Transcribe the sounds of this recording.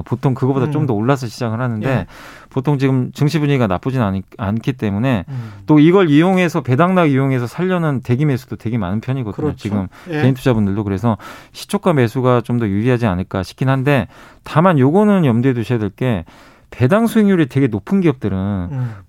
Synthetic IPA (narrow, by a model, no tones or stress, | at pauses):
potʰoŋkɯɡʌbodat͡ɕ͈omdʌoɭːasʰʌɕʰid͡ʑaɡɯɭɦanɯnde̞ | potʰoŋt͡ɕiɡɯmt͡ɕɯŋɕʰibuɲiɡana̰p͈ud͡ʑinaankʰit̬͈e̞mune̞t͈oiɡʌɭijoŋe̞sʰʌpe̞daŋnaɡijoŋe̞sʰʌsʰaʎːʌnɯnte̞ɡime̞sʰud̥ote̞ɡema̰nɯnpʰjʌɲiɡʌdɲot͡ɕiɡɯmkeintʰud͡ʑabundɯɭdokɯɾe̞sʰʌɕʰi̥t͡ɕʰok͈ʰame̞sʰuɡat͡ɕomdʌjuɾiɦad͡ʑianɯɭk͈aɕʰi̥kʰinɦande̞tamanjoɡʌnɯnjʌmdwedoɕʰedeɭk͈e̞ | pe̞daŋsʰueŋjuɾite̞ɡe̞nopʰɯnɡiʌp̚t͈ɯɾɯn